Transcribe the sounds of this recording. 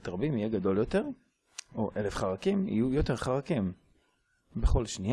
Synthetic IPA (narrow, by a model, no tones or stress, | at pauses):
t̪ʁabimijeɡad̪o̞ljo̞te̞ʁ | oʔelefχaʁakimḭjujote̞ʁχaʁakim | beχo̞lʃni